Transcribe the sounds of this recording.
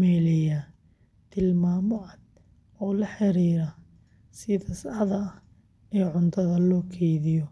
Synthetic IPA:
mɛːlɪjɐ | t̪ʰɪlmaːmɔʔɐd̪̚ | ɔːlɐħɪɾiːɾɐ | sɪtɐsɐħðɐɐh | ɛːʕʊnt̪ʰɐðɐlɔːkʰɛjðɪjɔ

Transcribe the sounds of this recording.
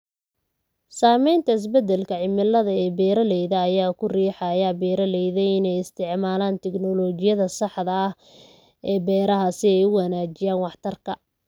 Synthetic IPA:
saːmɛjnt̪ʰɐɪs̬bɛd̪ɛlkʰɐʕɪmɪlːɐðɐɛːbɛːɾɐlɛjðɐːjaːkʰʊriːħɑjaːbɛːɾɐlɛjðɛjɪnɛjɪst̪ʰɪʕmaːlaːnt̪ʰɛɡnɔlɔːt͡ʃɪjɐðɐsɑħd̪ɐːh | ɛːbɛːɾɐɦɐsɪɛjʊwɐnaːt͡ʃɪjaːnwɑħt̪ʰɐrkʰɐ

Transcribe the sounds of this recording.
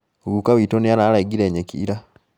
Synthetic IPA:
ɣukawitonijanalaɡiɾeːɲekʰḭɾa

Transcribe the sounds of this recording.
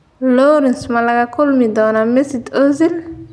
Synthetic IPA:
loːɾinsmalakakolmid̪ɔːnamesit̪ozil

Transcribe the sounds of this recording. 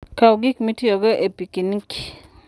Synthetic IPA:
kawɡɪkmitioɡoʔepikinikʰi̥

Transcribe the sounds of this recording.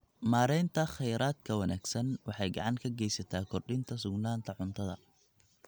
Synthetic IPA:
maːɾɛjnt̪ʰɐχɛjɾaːd̪̚kʰɐwɐnaːɡ̥sɐnwɑħɑjɡɑ̰ʕɑŋkʰɐɡɛjsɐt̪ʰaːkʰɔrɗɪnt̪ʰɐsʊɡnaːnt̪ʰɐʕʊnt̪ʰɐðɐ̰

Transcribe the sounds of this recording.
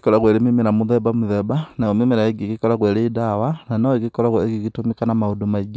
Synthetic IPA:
i̥kɔɾaɣwɛɾemimeɾamuðɛbamuðɛbanaɔmimeɾaeɡikikɔɾaɣwɛɾeːdawananaekikɔlaɣwekikitumikanamaudumaid͡ʒa

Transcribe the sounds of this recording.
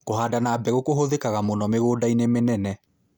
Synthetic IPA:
koɦaːdanaːbɛɣokoɦoðekaɣamonɔmeɣodainemenɛnɛ

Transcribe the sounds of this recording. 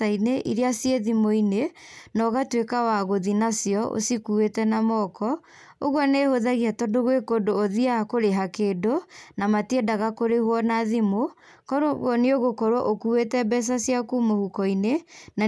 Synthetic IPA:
aineʔiɾeasjeðimoinenɔɣatwekawaɣoðinasjɔʔo̰sikuetɛnamɔkɔ | o̰ɣwɔnehoðaɣiatɔndoɣwekodoːðiakoɾeɦakeːdonamatiedaɣakoɾehwɔnaðimo | kɔɣɔneoɣokɔɾwɔʔokuwetɛbɛs̬asjakumohukɔinena

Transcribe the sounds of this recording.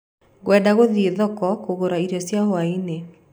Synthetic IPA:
ɣwɛːdaɣoðieðɔkɔkoɣoɾaiɾjɔsjaɦoaine

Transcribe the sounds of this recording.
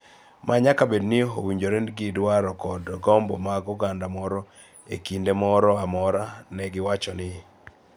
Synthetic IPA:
mʔaɲakabednɪɦo̰wiɲd͡ʒoɾenɡidwaɾɔkɔdɡɔmbɔ̰maɡɔɡandamɔɾɔ | ḛkindemɔɾɔamɔɾanɛɡɪwat͡ʃɔnɪ

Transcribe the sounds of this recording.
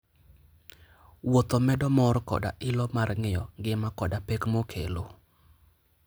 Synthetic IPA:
wot̪ɔmɛdɔmɔɾkɔ̰da̰ʔɪlɔmarŋɪjɔ̰ŋɡɪmakɔdapɛkmokʰḛlo

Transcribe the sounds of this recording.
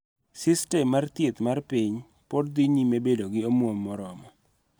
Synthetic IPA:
sɪstɛmart̪jet̪marpiɲ | pɔdd̪iɲimebedoɡɪomwomːɔɾɔmɔ

